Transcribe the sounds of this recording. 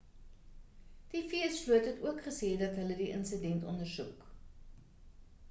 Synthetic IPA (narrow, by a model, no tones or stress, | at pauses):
d̥ifiəsluətɦətuəkχəsɛːdɐtɦələdiʔə̰nsədɛntɔ̰ndərsuk